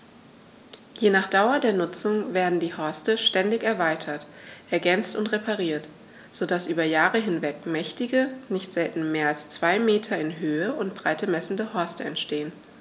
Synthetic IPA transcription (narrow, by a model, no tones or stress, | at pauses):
jeːnaːχd̥aʊɐdeːɐnʊt͡sʊŋveːɐdn̩diːhɔɐstəʃtɛndɪçɛɐvaɪtʰɐtʔɛɐɡɛnt͡stʊntʁepʰaʁiːɐt | z̥odasʔyːbɐjaːʁəɦɪnvɛkmɛçtɪɡənɪçtz̥ɛltn̩meːɐalst͡sv̥aɪmeːtʰɐɪnɦøːəʔʊntb̥ʁaɪtəmɛsn̩dəhɔɐstəɛ̰ntʃteːən